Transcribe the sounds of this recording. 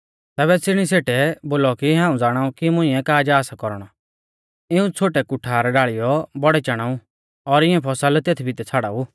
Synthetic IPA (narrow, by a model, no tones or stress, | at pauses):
t̪ɛːβɛt͡sɪɽ̃iseːʈɛboːlɔkiɦãːũd͡zaːɽ̃aũkimʊ̃ɪ̃ɛ̃kaːd͡ʒaːsakɔɾɽ̃ɔ | ɪũt͡sʰoːʈɛkʊʈʰaːɾɖaːɭɪjɔbɔɽɛt͡ʃɐɽ̃aːũ | ɔɾɪɛ̃pʰɔsəlt̪eːt̪ʰibʱit̪ɛt͡sʰaːɽauː